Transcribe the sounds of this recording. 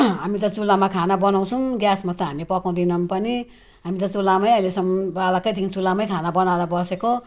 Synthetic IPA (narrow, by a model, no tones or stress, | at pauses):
ɦamit̪̬ʌt͡sulːamakʰanabʌnaw̃t͡sʰũɡjasmat̪ʌɦamipʌkaw̃d̪inʌmpʌni | ɦamit̪̬ʌt͡sulːamʌjʌilesʌmbalakʌjt̪ʰikit͡sulamʌjkʰanabʌnaɾʌbʌseko